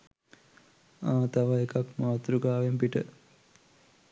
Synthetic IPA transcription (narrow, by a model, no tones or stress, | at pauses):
aːt̪aʋaekakmaːt̪ɾuɡaːʋempiʈə̰